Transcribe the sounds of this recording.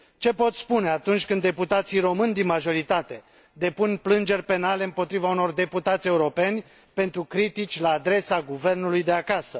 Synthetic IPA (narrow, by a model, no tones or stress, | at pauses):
t͡ʃe̞po̞t̪spune̞at̪unt͡ʃʲkɨnd̪ːe̞put̪at̪sijɾo̞mɨnʲd̪inmaʒo̞ɾit̪at̪e̞ | d̪e̞punplɨnd͡ʒe̞rʲpe̞nale̞ɨmpo̞t̪ɾivauno̞rd̪e̞put̪at̪sʲe̞uɾo̞pe̞nʲ | pe̞nt̪ɾukɾit̪it͡ʃʲlaːd̪ɾe̞saɡuve̞rnulujd̪e̞akasə